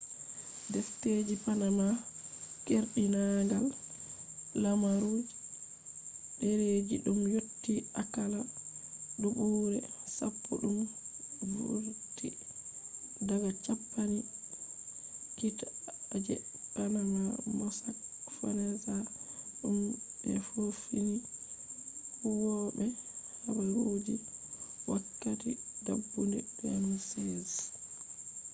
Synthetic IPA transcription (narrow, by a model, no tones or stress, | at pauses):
dɛfted͡ʒipanamakeɾɗinaɡal | lamaɾod͡ʒ | ɗɛɾed͡ʒiɗumjotːiakala | ɗuɓuːɾɛ̰sa̰pːṵɗumvṵɾti | daɡat͡ʃapːani | kitad͡ʒɛ̰kanamamɔsakfanazaɗumbɛfufini | fuwɔbɛhabaɾod͡ʒiwakːatidabːundɛbɛanasɛz